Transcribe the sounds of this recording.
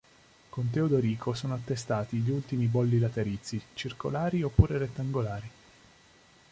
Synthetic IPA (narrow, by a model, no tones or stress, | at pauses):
kont̪̬eod̪oɾiːkʰosoːnoat̪ːest̪aːt̪iʎult̪imibɔlːilat̪eɾit̪sːit͡ʃirko̰laːɾiopːuːɾeret̪ːaŋɡolaːɾi